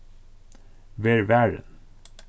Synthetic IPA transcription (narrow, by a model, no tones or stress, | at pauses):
ʋeːɹʋæɹə̰n